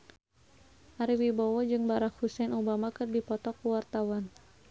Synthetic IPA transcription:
ʔaɾiwibɔwɔd͡ʒɨŋbaɾak̚husɛnubamakɨrdipɔt̪ɔkuwart̪awan

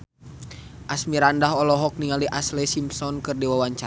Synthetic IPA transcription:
ʔasmiɾandaɦɔlɔɦɔk̚niŋaliʔaslɛsimsɔnkɨrdiwawaɲt͡ʃa

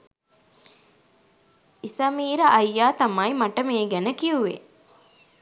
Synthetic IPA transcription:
isɐmiːɾəʔɐjːaːt̪ɐmɐjmaʈəmeːɡænəkiuʋḛ

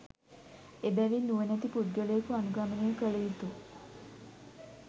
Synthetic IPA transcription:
ebæʋinːuʋənæt̪ipuɖ̚ɡələjekuanuɡamənejəkəɭeit̪u

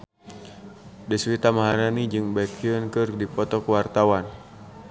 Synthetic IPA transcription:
dəswit̪amaɦaɾanid͡ʒɨŋbakʰiɔnkɨrdipɔt̪ɔkəwart̪awan

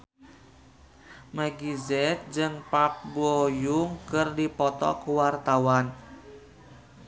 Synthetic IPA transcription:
maɡizɛt̪̚d͡ʒɨŋpap̚bojuŋkɨrdipɔt̪ɔ̰kuwart̪awan

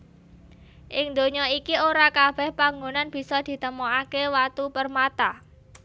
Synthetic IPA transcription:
ʔɪŋd̪o̤ɲɔikioɾakab̥ɛ̤hpaŋɡonanb̥i̤sɔd̪̥i̤t̪əmɔakewat̪upərmat̪a

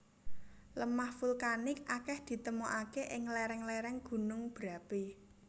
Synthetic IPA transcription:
ləmahfulkanɪkakɛhd̪̥i̤t̪əmoʔakeʔɪŋlɛɾɛŋlɛɾɛŋɡ̥ṳnʊŋb̥ɾa̤pe

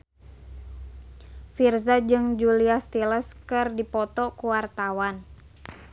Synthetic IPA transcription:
firzad͡ʒɨŋd͡ʒuliast̪iləskɨrdipɔt̪ɔkuwart̪awan

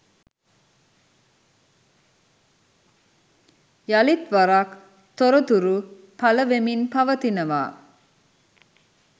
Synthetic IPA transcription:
jalit̪ʋaɾak | t̪oɾət̪uɾu | pɐləʋeminpɐʋət̪inəʋa̰ː

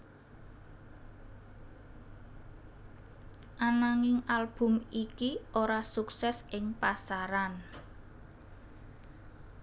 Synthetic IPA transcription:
ʔanaŋɪŋalb̥ʊ̤mikiʔoɾasuksɛsɪŋpasaɾan

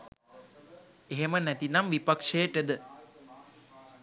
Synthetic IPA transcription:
eɦemənæt̪inamʋipakʂejəʈəd̪ə

